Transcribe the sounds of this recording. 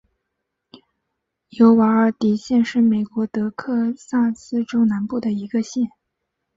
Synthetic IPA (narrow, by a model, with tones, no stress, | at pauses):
jo˧˥ʊwa˧˥ə˞˨˩t̪i˨˩ɕjɛ˥˧nʂɻ̩˥˩me˨˩ɪkwɔ˧˥t̪ɤ˧˥kʰɤ˥˧sa˥˩sɹ̩˥ʈ͡ʂo˥ʊna˧˥npu˥˩d̪ə˩i˧˥ɡə˧ɕjɛ˥˩n